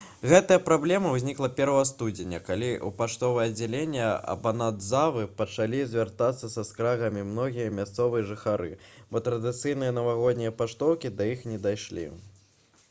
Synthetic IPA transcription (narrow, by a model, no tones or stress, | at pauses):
ɣɛt̪ɐjɐpɾablʲɛmɐwzʲnʲiklˠɐpʲɛɾvɐɣɐst̪ud͡zʲɪnʲɐkalʲiʔṵpaʂt̪ɔvɐjɛɐd͡zʲalʲenʲːɛɐ̰bɐnad̪zavɨpɐt͡ʂalʲizʲvʲart̪at̪sːɐsɐskɾaɣɐmʲimnɔɣʲijɐmʲast̪sɔvɨjɐʐɨxaɾɨ̰bɔt̪ɾɐd̪ɨt̪sɨjn̪ɨjɐnɐvaɣɔd̪̚ʲnʲijɐpaʂt̪ɔwkʲid̪ɐjixnʲɛd̪ajʂlʲḭ